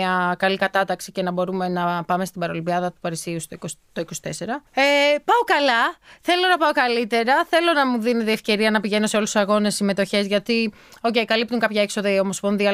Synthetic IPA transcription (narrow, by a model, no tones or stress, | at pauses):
ɐkɐlikɐt̪ɐt̪ɐksice̞nɐbo̞ɾume̞nɐpɐme̞st̪ibɐɾo̞libiɐðɐt̪u̥pɐɾisiust̪okost̪o̞iko̞si̥t̪ese̞ɾɐepɐo̞kɐlɐθe̞lo̞nɐpɐo̞kɐlit̪e̞ɾɐθe̞lo̞nɐmuðinet̪ie̞fce̞ɾiɐnɐpiʝe̞no̞se̞o̞lussɐɣo̞ne̞sːime̞t̪o̞çe̞zʝɐt̪i | o̞ce̞jkɐlip̚t̪uŋkɐpçɐekso̞ðɐio̞mo̞spo̞nðiɐ